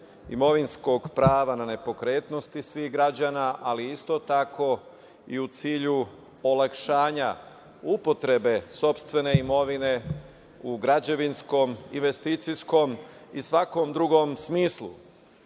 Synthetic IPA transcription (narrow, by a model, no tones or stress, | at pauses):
ḭmo̞ʋinsko̞ɡpɾaːʋanane̞po̞kɾe̞ːt̪no̞st̪isʋiɣɡɾad͡ʑaːnaʔaliist̪o̞t̪akʰo̞ | iut̪siːʎu | olakʃaːɲa | upo̞t̪ɾe̞be̞so̞pst̪ʋe̞ne̞imo̞ʋine̞ | uɡɾad͡ʑeʋinsko̞mḭnʋe̞st̪iːt̪sisko̞misʋako̞md̪ɾuɡo̞msmiːslˠṵ